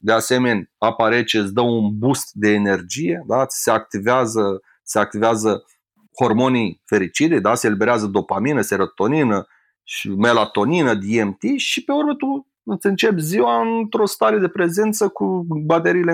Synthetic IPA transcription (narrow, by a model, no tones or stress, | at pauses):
d̪e̞ase̞me̞nʲapaɾet͡ʃeɨt̪sʲd̪əunbust̪d̪e̞ːne̞rd͡ʒijed̪ḁse̞ak̚t̪iveazə | seak̚t̪iveazə | ho̞rmo̞nijfe̞ɾit͡ʃid̪ed̪aselibe̞ɾeazəd̪o̞paminəse̞ɾət̪o̞ninə | ʃime̞lat̪o̞ninəd̪iemt̪iʃipe̞uɾmət̪u | ɨt̪sɨnt͡ʃe̞pziwaɨnt̪ɾo̞st̪aɾe̞d̪e̞pɾe̞ze̞nt̪səkubat̪e̞ɾiːle